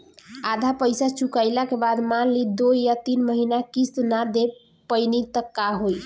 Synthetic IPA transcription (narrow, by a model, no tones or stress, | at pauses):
ad̪ʱapəjsat͡ʃʰukajlakebad̪malːid̪ojjat̪inməɦinakist̪nad̪e | pəjnit̪əkːaɦoj